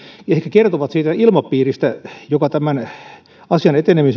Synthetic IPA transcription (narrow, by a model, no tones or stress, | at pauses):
ehkækert̪oʋɑt̪siːt̪æilmɑpːiːrist̪æjokɑt̪æmæn | ɑsiɑnet̪enemis